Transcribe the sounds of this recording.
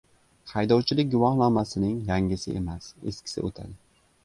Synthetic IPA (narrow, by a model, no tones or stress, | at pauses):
hajd̪ɒwt͡ʃʰɪlɪk̚ʲɡʊvɒhlˠamasɪnɪŋjaŋɪsɪ̰ʔe̞mase̞̰skʲʰɪ̥sɪ̰ot̪ʰa̰d̪ɪ